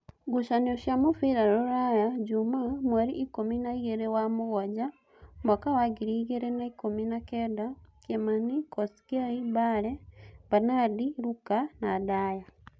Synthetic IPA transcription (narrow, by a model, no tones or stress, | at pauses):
ɡuʃanoʃamufiɾaɾoɾajaɟumamwaɾiʔikominaiɣeɾewamuɣaɟa | mwakawaɡiɾiɣeɾenaikominakedakemanikosi̥kaibalebanadiɾukanadaja